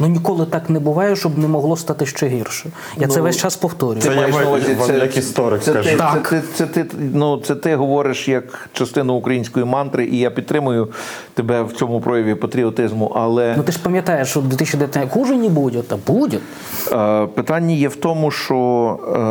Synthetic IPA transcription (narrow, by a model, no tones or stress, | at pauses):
nunʲikɔlˠɪt̪ɑknɛbʊʋɑjɛʃt͡ʃɔbnɛmɔɦlˠɔst̪ɑt̪ɪʃt͡ʃɛɦirʃɔ | jjasɛʋɛsʲt͡ʃɑspɔwt̪ɔɾʲʊʋ̪ɛjjɔʋɐzʲisɛjɐkist̪ɔɾɪk̪ɛʒt̪ɛk̪ɪt̪sɛt̪ɪnut̪sɛt̪ɪɦɔʋɔɾɪʃjɐkt͡ʃɐst̪ɪnʊːkɾɐjinʲsʲkɔjimɑnt̪ɾɪʔijapʲid̪t̪t̪ːɾɪmʊjʊ | t̪ebɛwt͡sʲɔmʊpɾʔɔjɐʋʲipɔt̪ɾʲiɔt̪ɪzmʊʔɐlˠɛnʊt̪ɪʃpɐmʲjɐt̪ɑjeʃt͡ʃɔd̪ʋʲit̪is̬ʲʃt͡ʃʲid̪ʲeʋʲjɐt̪ʲnkuʒɪnʲibudʲɛt̪ɐbudʲɛ | pɪt̪ɑnʲːɐjɛwt̪ɔmʊʃt͡ʃɔ